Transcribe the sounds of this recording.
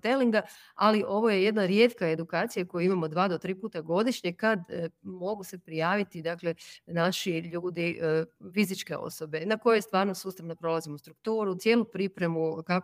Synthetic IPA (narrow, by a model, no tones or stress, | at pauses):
t̪e̞liŋɡa | aliʔo̞ʋo̞jeje̞d̪naɾje̞ːt̪kae̞d̪ukaːt̪sijakojuimamod̪ʋaːd̪o̞t̪ɾiːpuːt̪aɡo̞d̪iʃɲe̞kad̪mo̞ɡuse̞pɾijaːʋit̪id̪akle̞naʃiʎuːd̪ifizit͡ʃke̞o̰so̞be̞nako̞jest̪ʋaːɾno̞suːst̪aʋnopɾo̞lˠazimoust̪ɾukt̪uːɾut̪sje̞ːlupɾipɾe̞muka